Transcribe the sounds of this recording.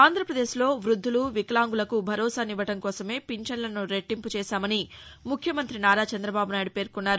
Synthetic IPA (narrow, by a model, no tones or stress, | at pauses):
aːnd̪ɾɐpɾɐd̪e̞ːʃlo̞ːʋɾud̪ʱːuluʋiklaːŋɡulɐkubʱɐɾɔːsaːniʋɐʈɐŋkɔːsɐme̞ːpiɲt͡ʃɐnlɐnuɾeʈːimput͡ʃɛːʃaːmɐnimukʰjɐmɐnt̪ɾinaːɾaːt͡ʃɐnd̪ɾɐbaːbunaːjiɽupe̞ːɾkunːaːɾu